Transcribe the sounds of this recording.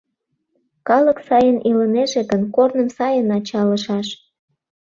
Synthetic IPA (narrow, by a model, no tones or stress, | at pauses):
kɑləksɑjənʔiləneʒeɣənkornəmsɑjənɑt͡ɕɑləʃɑʃ